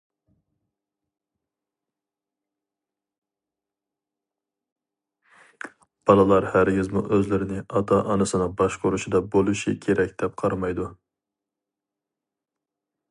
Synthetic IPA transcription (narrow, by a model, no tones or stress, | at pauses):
b̥ɑlˠɨlˠɑɾhæɾɡʲɪzmṵʔøzlɪɾɪnɪʔɑt̪ʰɑʔɑnɨsɨnɨbɑʃqʊɾuʃid̪ɑbolˠuʃikʲʰeɾɛkʲd̪̥ɛp̚qʰɑɾmɑjd̪u